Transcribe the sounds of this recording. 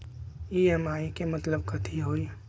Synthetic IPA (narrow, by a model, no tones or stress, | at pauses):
iɛmaːikemɐt̪ləb̚kɐt̪ʰiɦoːl